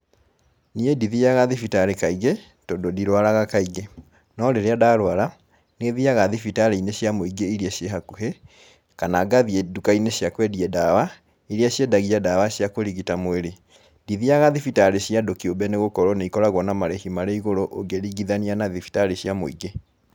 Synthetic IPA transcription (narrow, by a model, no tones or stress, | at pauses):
niediðiaɣaðifitaɾekaiɣe | toːndodiɾwaɾaɣakaiɣe | nɔɾeɾeadaːɾwaɾa | neðiaɣaðifitaɾeineɕjamoiɡeiɾjaɕjeɦakuɦe | kanaɡaðiedukaineɕjakwɛdiɛdawa | iɾiaɕjedaɣiadawaɕjakoɾiɣitamweɾe | diðiaɣaðifitaɾeɕjadokiombɛneɣokɔɾɔneikɔɾaɣwɔnamaɾehimaɾeiɣoɾoʔoŋɡeɾiɡiðanianaðifi̥taɾeɕjamo̰iɡe